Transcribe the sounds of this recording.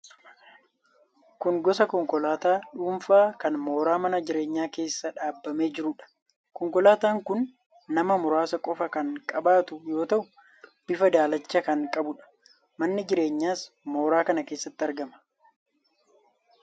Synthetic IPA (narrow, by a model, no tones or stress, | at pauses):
kʊŋɡɔsɐkɔŋkɔlaːt̪aːᶑuːɱfaːkɐnmo̞ːɾaːmɐnɐd͡ʒɪɾe̞ːɲːaːke̞ːsːɐᶑaːbːɐme̞ːd͡ʒɪɾʊᶑɐ̥ | kɔŋkɔlaːt̪aːŋkʊnː | ɐmɐmʊɾaːsɐkʼɔfɐkɐŋkʼɐbaːt̪ʊjo̞ːt̪ɐʔʊ | b̥ɪfɐd̪aːlɐt͡ʃːɐkɐŋkʼɐbʊᶑɐ̥ | mɐnːɪd͡ʒɪɾe̞ːɲːaːs | mo̞ːɾaːkɐnɐke̞ːsːɐt̪ːɪɐɾɡɐmɐ̥